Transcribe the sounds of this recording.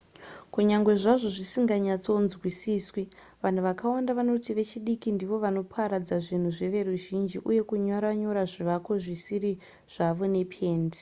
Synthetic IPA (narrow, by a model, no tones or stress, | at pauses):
kuɲaŋɡwe̞ʐaʐo̞ʐisiŋɡaɲat͡so̞nzwisiːswi | ʋan̤uʋakawandaʋano̞tiʋe̞t͡ʃiɗikindiʋo̞ʋano̞pʰaɾad͡zaʐin̤uʐeʋe̞ɾuʒind͡ʒiʔuje̞kuɲoɾaɲo̞ɾaʐiʋako̞ʐisiri | ʐ̥aʋo̞ne̞pʰe̞ːndi̥